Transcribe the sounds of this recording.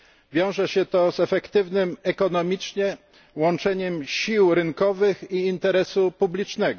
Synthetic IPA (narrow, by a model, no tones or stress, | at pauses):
vʲjɔ̃w̃ʐɛɕɛt̪ɔzɛfɛkt̪ɘvnɘmɛkɔn̪ɔmʲit͡ʂɲɛ | wɔnt͡ʂɛɲɛmɕiwɾɘŋkɔvɘxiːnt̪ɛɾɛsupublʲit͡ʂnɛɡɔ